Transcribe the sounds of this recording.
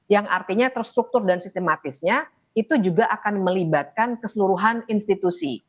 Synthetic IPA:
jaŋʔart̪iɲat̪əɾst̪ɾuk̚t̪ʊrdansist̪emat̪ɪsɲa | it̪ud͡ʒuɡaʔakanməlibat̪̚kankəsəluɾuɦaninst̪it̪usi

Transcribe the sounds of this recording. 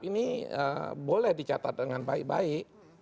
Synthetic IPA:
iniə̰bolɛhdit͡ʃat̪at̪̚dəŋanbaɪk̚ba̰ɪk

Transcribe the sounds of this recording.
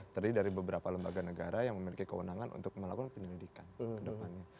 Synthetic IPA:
t̪ərdidaɾibəbəɾapaləmbaɡanəɡaɾajaŋməmilikikəwənaŋanʔṵnt̪ʊk̚məlakɔnpəɲəlidikankədəpanɲa

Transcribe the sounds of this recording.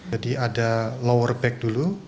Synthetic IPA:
d͡ʒadiʔadalowərbɛk̚dulu

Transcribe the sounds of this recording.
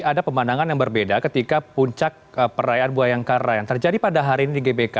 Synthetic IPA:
adapəmanaŋanjaŋbərbedakət̪ikapuɲt͡ʃak̚əpəɾajaʔanbuajaŋkaɾajaŋt̪ərd͡ʒadipadaɦaɾiːnidiɡebeka

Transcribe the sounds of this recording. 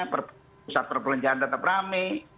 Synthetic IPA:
pərp | sat̪̚pərpələɲt͡ʃaand̪at̪apnami

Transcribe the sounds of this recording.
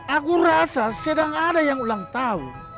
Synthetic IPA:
aɡuɾasasedaŋadajaŋulaŋt̪aṵ

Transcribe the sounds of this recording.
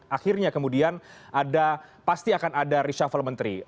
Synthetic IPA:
axirɲakəmudianʔadapast̪iakanadaɾiʃafalmənt̪ɾḭ

